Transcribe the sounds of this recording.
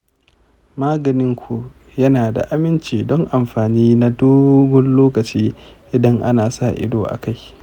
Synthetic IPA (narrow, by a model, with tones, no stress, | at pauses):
maː˦ɡɐ˨nɪ˦ŋkʷʰu˨ | jɐ˦naː˨da̰˨ʔa˨mɪ˦nt͡ʃiː˨dɔ˦ŋʔa˨mɸaː˨niː˦na˦doː˦ɡʷɔ˦nloː˦kɐ˨t͡ʃiː˦ʔɪ˨dɐ˦ŋʔa̰˦naː˨sa˦˨ʔɪ̰˦doː˨ʔa̰˨ka˦j